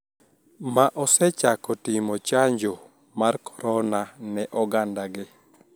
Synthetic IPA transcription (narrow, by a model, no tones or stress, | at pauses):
maʔɔsɛt͡ʃakɔtɪmɔt͡ʃaɲd͡ʒo | markʰɔ̥ɾɔnanɛʔɔɡandaɡɪ